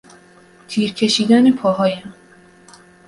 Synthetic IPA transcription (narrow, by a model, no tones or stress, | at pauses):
t̪ʰiːɾcʲʰe̞ʃiːd̪ænepʰɒːɦɒːjæm